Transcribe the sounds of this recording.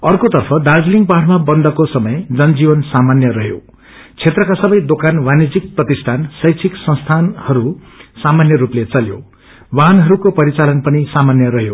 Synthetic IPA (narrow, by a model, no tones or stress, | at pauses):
ʌrkot̪ʌrpʰʌd̪ad͡zliŋɡpaʈʰmabʌnd̪ʌkosʌmʌjd͡zʌnd͡zibʌnsamanjʌɾʌɦjo̰ | t͡sʰet̪rʌkasʌbʌjd̪okanwanid͡zik̚prʌt̪ist̪ʰansʌjt͡sʰiksʌ̃st̪ʰanhʌɾu | samanjʌɾuplet͡sʌljo̰ | wanɦʌɾukopʌɾit͡salʌnpʌnisamanjʌɾʌɦjo